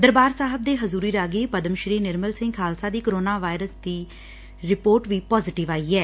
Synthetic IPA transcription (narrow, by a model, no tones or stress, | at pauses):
d̪əɾbaːɾsaːɦəb̚d̪eːɦəzuːɾiːɾaːɡiːpəd̪əmʃɾiːnɪɾməlsɪ̃ŋɡʰaːlsaːd̪iːkoɾoːnaːʋaːɪɾəsd̪iː | ɾɪpoːɾʈʋiːpɔːzɪʈɪʋaːiːɛː